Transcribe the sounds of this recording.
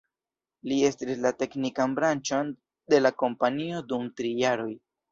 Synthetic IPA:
lie̞stislate̞knikanbɾant͡ʃon | de̞lako̞mpanio̞dumtɾijaɾo̞j

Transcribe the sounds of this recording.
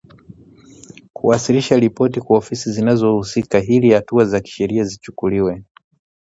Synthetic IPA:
kʰuasiliʃaɾipɔtikwaɔfisizinazɔhusikaɦilihatuazaki̥ʃɛɾiazit͡ʃu̥kuliwɛ

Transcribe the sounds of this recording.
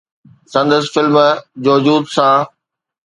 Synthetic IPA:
sɐ̃nd̪əsɪfɪlmd͡ʑoːd͡ʑuːd̪sãː

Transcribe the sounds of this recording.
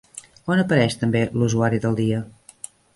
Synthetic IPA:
onəpəɾɛʃt̪əmbeluzuaɾiðəlˠd̪iə

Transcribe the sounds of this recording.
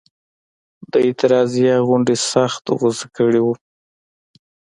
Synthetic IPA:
d̪əɪt̪ɪɾɑzijaɣʊɳɖesaxt̪ɣʊzakəɽiwu

